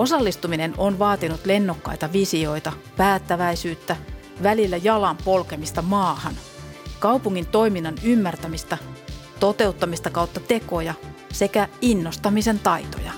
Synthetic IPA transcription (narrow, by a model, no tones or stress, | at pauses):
osɑlːist̪uminenonʋɑːt̪inut̪lenːokːɑ̰it̪ɑʋisio̞it̪ɑpæːt̪ːæʋæisyːt̪ːæ | ʋælilːæjɑlɑmpolkemist̪ɑmɑːhɑn | kɑupuŋːint̪oiminːɑnymːært̪æmist̪ɑt̪ot̪e̞ut̪ːɑmist̪ɑkɑut̪ːɑt̪ekojɑsekæinːost̪ɑmisent̪ɑit̪o̰jɑ̰